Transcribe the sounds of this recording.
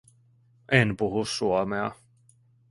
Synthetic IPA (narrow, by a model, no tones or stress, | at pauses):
ʔenpuɦusːuomeɑ̰